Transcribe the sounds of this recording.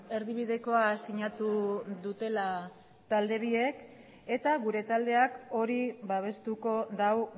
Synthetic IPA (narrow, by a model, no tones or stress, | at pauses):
e̞ɾðiβiðe̞ko̞asiɲat̪uðut̪e̞la | t̪ald̪e̞β̞ie̞k | e̞t̪aɣuɾe̞t̪ald̪e̞ako̞ɾiβaβ̞e̞st̪uko̞ðaw